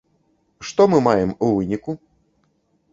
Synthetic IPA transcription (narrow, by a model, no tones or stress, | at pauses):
ʂt̪ɔmɨmajɛmuvɨnʲiku